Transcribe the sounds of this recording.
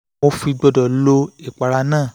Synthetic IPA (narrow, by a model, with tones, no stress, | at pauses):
mo˧fi˧ɡ͡bɔ˧dɔ˨lo˧i˦˨k͡pa˨˧ɾa˧nãː˦˨